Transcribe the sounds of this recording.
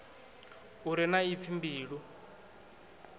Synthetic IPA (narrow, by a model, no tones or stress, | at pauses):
uɾinaifʰimbiːɺu